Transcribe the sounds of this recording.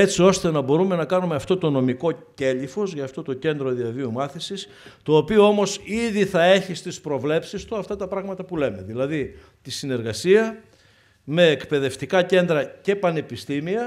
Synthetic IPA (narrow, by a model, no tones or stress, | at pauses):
e̞t͡sio̞st̪e̞nɐbo̞ɾume̞nɐkɐnume̞ɐft̪o̞t̪o̞no̞miko̞ce̞ʎifo̞zʝɐːft̪o̞t̪o̞ce̞nd̪ɾo̞ðiɐviumɐθisis | t̪o̞ːpioo̞mo̞siðiθɐe̞çist̪ispɾo̞vle̞psist̪uɐft̪ɐt̪ɐpɾɐɣmɐt̪ɐpule̞me̞ðilɐði | t̪isine̞ɾɣɐsiɐ | me̞ːkpe̞ðe̞ft̪ikɐce̞nd̪ɾɐce̞pɐne̞pist̪imiɐ